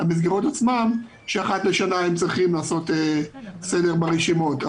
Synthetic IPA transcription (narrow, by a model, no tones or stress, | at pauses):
amiz̬ɡeʁotat͡smam | ʃeaχatleʃanaemt͡sʁiχimlaːso̞t̪ese̞de̞ʁbaʁeʃimo̞t